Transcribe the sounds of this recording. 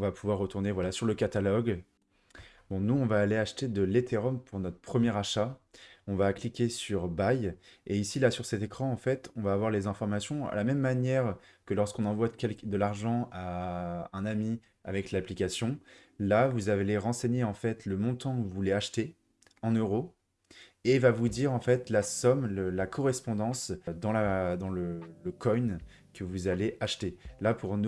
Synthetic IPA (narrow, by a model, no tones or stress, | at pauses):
ɔ̃vapuvwaʁːət̪uʁnevwalasyʁləkat̪alɔɡ | bɔ̃nuɔ̃vaːleaʃt̪ed̪əlet̪ʰeʁɔmpʰuʁnɔt̪χəpχəmjɛʁaʃaɔ̃vaklikʲesyʁbajeisilasyʁsɛt̪ekχɑ̃ːfɛt̪ɔ̃vaːvwaʁlezɛ̃fɔʁmasjɔ̃ə̰lamɛmːanjɛʁ | kəlɔʁskɔ̃nɑ̃vwakʲɛlkd̪əlaʁʒɑ̃aɛ̃nami | a̰vɛklaplikʲasjɔ̃ | lavuzaveleʁɑ̃seɲeɑ̃fɛt̪ləmɔ̃t̪ɑ̃kuvuleaʃt̪e | ɑ̃nøʁo | evavud̪iʁɑ̃fɛt̪lasɔmləlakʰɔʁɛspɔ̃d̪ɑ̃sd̪ɑ̃lad̪ɑ̃lələkʰɔjn | kəvuzaleʔaʃt̪elapʰuʁnu